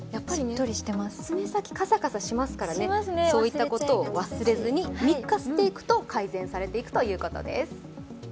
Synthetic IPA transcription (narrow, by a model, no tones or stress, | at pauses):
japːait̪oɾʲiɕi̥t̪emasmesakʲi̥kasakasaɕimasɨ̥kaɾanemasnso̞ːit̪ːako̞t̪o̞ːβasɨɾe̞zɨɲ̟imʲikːasɨ̥t̪e̞ikɯ̟̥t̪o̞kʰaizẽ̞saɾe̞t̪e̞ikɯ̟̥t̪o̞jɯ̟ːkot̪o̰d̪e̞̰sɨ̥